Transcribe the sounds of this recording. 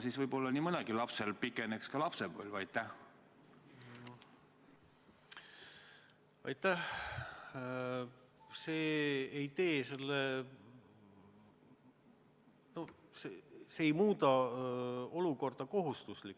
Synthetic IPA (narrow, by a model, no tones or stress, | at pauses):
sisvɯjbo̞lːɑnimɯd̪ɑɡ̥ilɑpselpikːˑenekskɑlɑpsevo̰lʲvɑjt̪ːˑæh | ɑ̰jt̪ːˑæh | se̞ːejt̪e̞ːse̞lːe | no̞seseːjmuːt̪ɑ | o̞luko̞rd̪̥ɑko̞ɦust̪uslikː